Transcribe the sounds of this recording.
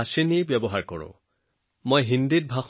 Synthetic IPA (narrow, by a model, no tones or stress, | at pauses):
asenijbjɔbɔɦaɹkɔɹʊ̰̃ | mojɦindit̚bʱax